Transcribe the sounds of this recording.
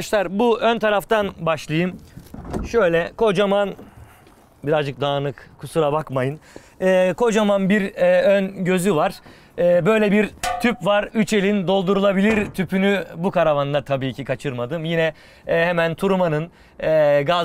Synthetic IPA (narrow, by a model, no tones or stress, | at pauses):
ʃlˠaɾbuʔønt̪ʰaɾaft̪ʰanbaʃlˠajɯm | ʃø̞jlʲɛkʰo̞d͡ʒaman | biɾazd͡ʒɯk̚d̪aːnɯkkʰusuɾabakmajɯn | ɛːkʰo̞d͡ʒamanbiɾɛønɟø̞zyvaɾ̥ | ɛːbø̞jlʲɛbiɾt̪ʰypvaɾyt͡ʃe̞lʲind̪o̞lˠd̪uɾulˠabilʲiɾt̪ʰypʰynybukʰaɾavand̪ˠat̪ʰabiːcʰikʰat͡ʃʰɯɾmad̪ɯmjinɛ | hɛmænt̪ʰuɾumanɯnː | ɡa